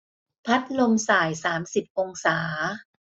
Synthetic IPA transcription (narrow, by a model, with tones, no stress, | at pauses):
pʰa˦˥t̪̚lo˧msaː˨˩jsaː˩˦msi˨˩p̚ʔo˧ŋsaː˩˦